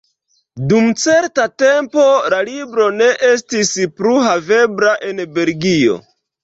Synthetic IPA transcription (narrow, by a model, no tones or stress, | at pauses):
dumt͡se̞ɾtate̞mpo̞lalibɾo̞ne̞ʔe̞s̬tispɾuɦave̞bɾaʔe̞nbe̞lɡio̞̰